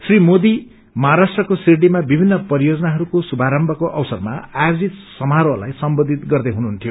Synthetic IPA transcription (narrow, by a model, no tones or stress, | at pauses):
srimod̪i | mʌɦaɾasʈrʌkosiɽimabibʱinːʌpʌɾijod͡zʌnaɦʌɾukosubʱaɾʌmbʱʌkoʔʌwsʌrma̰ajod͡zit̪sʌmaɾola̰jsʌmbod̪ʱit̪ɡʌrd̪eɦunuɦunt̪ʰijo